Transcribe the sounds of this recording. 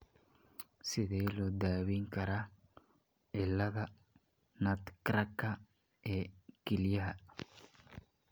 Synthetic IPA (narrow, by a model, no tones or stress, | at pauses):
sɪðɛːlɔd̪aːβiŋkɐɾa | ɛlːɐðɐ | nɐt̪kɾɐkːɐ | ʔɛkɪljɐɦɐ